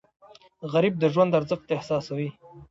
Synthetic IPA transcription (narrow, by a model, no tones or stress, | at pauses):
ɣaɾib̚d̪əʒwand̪aɾzəxt̪ehsɑːsawi